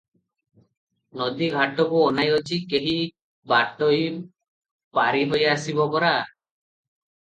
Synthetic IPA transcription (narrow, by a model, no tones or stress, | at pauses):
nɔd̪iɡʱaʈɔbuɔnajɔt͡ʃʰikeɦi | baʈɔj | paɾiɦɔjaːsibɔpɔɾa